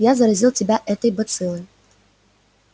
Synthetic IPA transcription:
jazɐɾɐzʲilˠtʲɪbʲaʔɛt̪əjbɐt̪sɨlˠəj

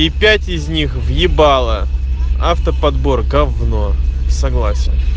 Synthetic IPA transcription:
ipʲætʲɪzʲnʲixvjɪbalˠəaft̪əpɐd̪borɡɐvnosɐɡlˠasʲɪn

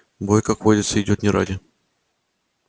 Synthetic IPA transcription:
bojkakvodʲɪt̪səɪdʲo̞t̪nʲɪɾʔa̰dʲɪ

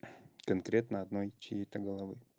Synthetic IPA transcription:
kɐnkɾʲe̞t̪nəɐd̪nojt͡ɕɪjet̪əɡəlˠɐvɨ

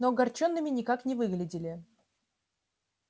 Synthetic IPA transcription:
noɡɐrt͡ɕo̞nːɨmʲɪnʲɪkaknʲɪvɨɡlʲɪdʲɪlʲɪ

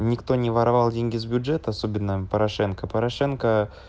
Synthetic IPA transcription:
nʲɪkt̪o̞nʲɪvɐɾɐvalˠdʲenʲɡʲɪzbʲʊdʐɛt̪əɐso̞bʲɪnːəpəɾɐʂɛnkəpəɾɐʂɛnkə

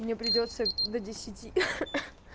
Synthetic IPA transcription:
mnʲepɾʲɪdʲot̪səd̪ədʲɪsʲɪtʲi

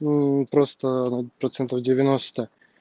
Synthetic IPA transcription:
pɾost̪ənpɾɐt̪sɛnt̪əvdʲɪvʲɪnost̪ə

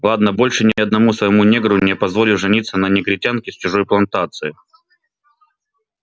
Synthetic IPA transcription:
lˠad̪nəbo̞lʲʂɨnʲɪɐd̪nɐmusvəjɪmunʲeɡɾʊnʲɛpɐzvo̞lʲɪwʐɨnʲit̪sənɐnʲɪɡɾʲɪtʲankʲɪst͡ɕʊʐo̞jplˠɐnt̪at̪sɨɪ

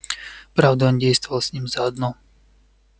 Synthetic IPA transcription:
pɾavd̪aondʲejst̪vʊvɐlˠsʲnʲimzaːd̪no

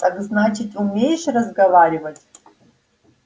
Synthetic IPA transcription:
takznat͡ʃʰitʲʼumʲejʃrɐzɡɐvaɾʲɪvɐtʲʼ

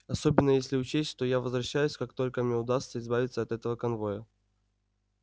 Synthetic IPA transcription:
ɐso̞bʲɪnːəjesʲlʲɪʊt͡ɕesʲtʲʂt̪o̞javəzvɾɐɕːæjʊsʲkakt̪o̞lʲkəmnʲeʊd̪ast̪səɪzbavʲɪt̪səɐt̪ɛt̪əvəkɐnvo̞jə

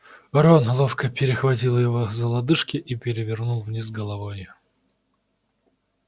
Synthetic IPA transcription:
vɐɾonlˠofkəpʲɪɾʲɪxvɐtʲilˠjɪvozəlˠɐd̪ɨʂkʲɪʔipʲɪɾʲɪvʲɪrnulˠvnʲizɡəlˠɐvoj

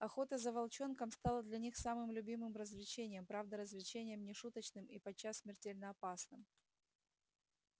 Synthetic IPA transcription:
ɐxo̞t̪əzəvɐlˠt͡ɕo̞nkəmst̪alˠəd̪lʲɐnʲixsamɨmlʲʉbʲimɨmrəzvlʲɪt͡ɕenʲɪjəmpɾavd̪əɾəzvlʲɪt͡ɕenʲɪjəmnʲɪʂut̪ət͡ɕnɨmipɐt͡ɕːasːmʲɪrtʲelʲnəɐpasnɨm

